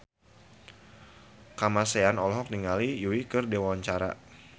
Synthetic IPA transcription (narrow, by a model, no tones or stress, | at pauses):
kamaseanɔlɔɦɔk̚niŋalijuikɨrdewaaɲt͡ʃaɾa̰